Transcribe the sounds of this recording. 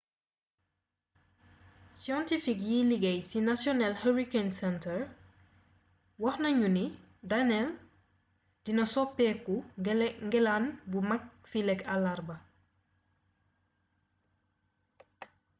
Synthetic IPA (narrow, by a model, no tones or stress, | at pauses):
sjɔ̃ntifikjiliɡɛjsinasjɔnɛlhəɹikensɛntəɹ | wɔhnɐɲuni | danɛl | dinɐsɔpɛkːuŋɡɛlanbumak̚filɛkalaɾbɐ